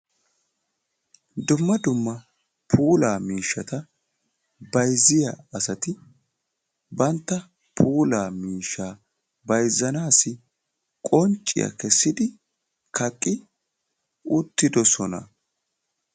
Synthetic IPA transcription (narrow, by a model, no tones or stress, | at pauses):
d̪ʊmːɐd̪ʊmːɐ | pʰuːlaːmiːʃːɐt̪ɐ | bɐjzɪjɐ̰ɐsɐt̪ɪ | bɐnt̪ːɐ | pʰuːlaːmiːʃːaː | bɐjzːɐnaːsɪ | kʼɔnt͡ʃʼːɪ̰jɐ̰kɛsːɪd̪ɪ | kʰɐkʼːɪ | ʊt̪ːɪd̪ɔsɔnɐ̰